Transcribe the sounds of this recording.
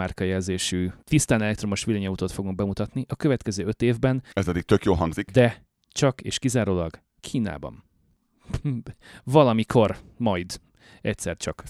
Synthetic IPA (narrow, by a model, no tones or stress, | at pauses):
arkɒjɛlzeːʃyːt̪ist̪aːnɛlɛk̚t̪ɾo̞mo̞ʃʋilɛɲɒuːt̪oːt̪fo̞ɡuŋɡ̚bɛmut̪ɒt̪niʔɒkøvɛt̪kɛzøːø̞t̪eːvbɛnɛspɛd̪ik̚t̪økjoːlɦɒŋɡzikd̪ɛ | t͡ʃɒkḛːʃkizaːɾoːlɒɡ | kʰiːna̰ːbɒ̰n | vɒlɒmikʰo̞rmɒjd̪ | ɛc̚sɛrt͡ʃɒk